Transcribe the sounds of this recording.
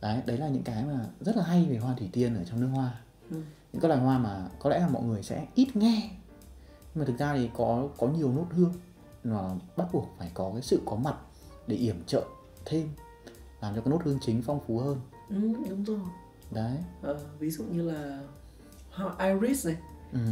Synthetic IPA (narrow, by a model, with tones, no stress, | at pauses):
ʔə˨˦jɗə˨˦jlaː˨˩ɲɨ̰˧˥ŋkaː˨˦jmaː˨˩zə˦˥t̚laː˨˩a˧jve˨˩ɦwaː˧t̪ʰwi˧˩t̪i˧ənʔəː˧˩t͡ɕɔ˧ŋ͡mnɨ˦˥ək̚hwaː˧˨˩ | ɲɨ̰˧˥ŋkːaː˨˦ʔaː˧˩hwaː˧maː˨˩kɔ˨˦lɛ̰˧˥laː˨˩mɔ̰˧˨jŋ˨˩əjsɛ̰˧˥ʔi˦˥t̚ŋɛ˧ | ɲ˧maː˨˩t̪ɨ˨˩k̚zaː˧t̪ʰi˨˩kɔ˨˦kɔ˨˦ɲi˨˩əwno˦˥t̚hɨ˧əŋ | nɔ˨˩ɓa˦˥t̚ɓu˨˩ək̚faː˧˩jkɔ˨˦kaː˨˦jsɨ̰˧˨kɔ˨˦ma˨˩t̚ | ɗe˧˩ʔi˧˩əmt͡ɕə̰ː˧˨ | t̪ʰe˧m | laː˨˩mt͡ɕɔː˧˨˦no˦˥thɨ˧əŋt͡ɕï˨˦ŋ̟fa˧wŋ͡mfu˨˦həː˧n | ʔɨ˨˩ɗʊ˨˦ŋ͡mzo˨˩j | ɗə˨˦jʔəː˨˩vi˨˦zṵ˧˨ɲɨ˧laː˨˩ | ha˧ʔaː˧jɹi˦˥snə˨˩ʔɨ˨˩